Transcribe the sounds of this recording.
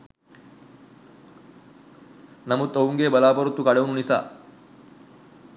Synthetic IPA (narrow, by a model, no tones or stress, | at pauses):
nɐmut̪ːoʋuŋɡeːbɐlaːpɐɾut̪ːukɐɽeʋununisa̰ː